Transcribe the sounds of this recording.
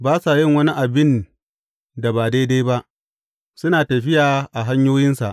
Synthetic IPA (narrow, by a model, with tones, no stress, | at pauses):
baː˦sa˨jɪ˦ŋwɐ˦ni˦ʔa˨bɪ˦˨n | da˨baː˨da˦jda˦jba˦ʔ | sʊ˦naː˨tɐ˨ɸɪ˦jaː˨ʔa˨ɦa˦ɲjoː˦jɪ˦nsa˨ʔ